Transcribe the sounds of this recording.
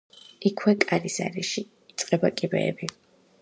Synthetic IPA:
ikʰwɛkʼaɾisa̰ɾiʃiː | t̪sʼqʼɛbakʼibɛ̰ːbi

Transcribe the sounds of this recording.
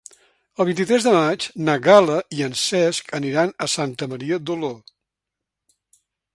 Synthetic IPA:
əlˠβ̞int̪it̪ɾɛzðəmat͡ʃnəɣaləiənsɛskəniɾanəsant̪əməɾiəd̪olo

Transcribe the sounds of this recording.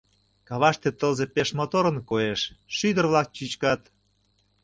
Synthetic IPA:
kɑβɑʃt̪et̪əlzepeʃmot̪oɾə̆nkoeʃʃyd̪ərβlɑk̚t͡ɕyt͡ɕkɑt̪

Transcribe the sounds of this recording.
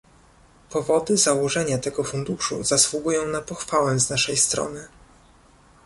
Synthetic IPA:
pɔvɔd̪ɘzawɔʐɛɲat̪ɛɡɔfund̪uʂṵz̥aswuɡujɔ̃w̃napɔxfawɛznaʂɛjst̪ɾɔ̰nɘ

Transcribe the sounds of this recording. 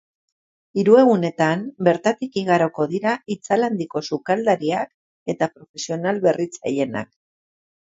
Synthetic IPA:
iɾue̞ɣ̞une̞t̪ambe̞ɾt̪at̪ikiɣ̞aɾo̞ko̞ðiɾait͡saland̪iko̞sukald̪aɾiak | e̞t̪apɾo̞fe̞sio̞nalβe̞rit͡sa̰je̞na̰k

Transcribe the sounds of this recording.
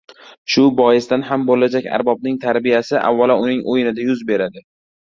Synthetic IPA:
ʃʊbɒjɪsd̪anhambolad͡ʒakʲa̰ɾbɒb̚nɪŋt̪ʰaɾbijasɪʔa̰vːalaʊnɪŋʔojɪnɪd̪ajʊzbe̞ɾad̪ɪ

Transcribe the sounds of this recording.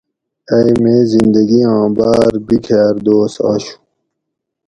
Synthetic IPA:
ɐjmezind̪ɐɡiãːbaːɾbikʰaːɾd̪oːsa̰ɕu̥

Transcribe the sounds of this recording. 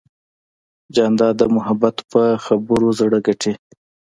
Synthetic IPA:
d͡ʒɑnd̪ɑd̪əmʊhabat̪pəxabʊɾozɽəɡaʈʰe

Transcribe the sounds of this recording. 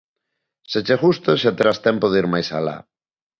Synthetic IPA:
set͡ʃexust̪oʃat̪eɾast̪ɛmpoðiɾmajsala̰

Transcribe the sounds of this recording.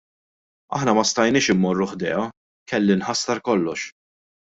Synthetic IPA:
ɐ̰ħnɐmɐst̪ɐjnɪːʃɪmːɔrːʊħd̪ɛːɐ | kɛlːɪnħɐsːɐɾkɔlːɔʃ

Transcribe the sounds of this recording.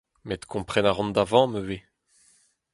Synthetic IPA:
mɛt̪ə̥kʰɔ̃pχɛnaʁɔ̃nd̪avɑ̃møve

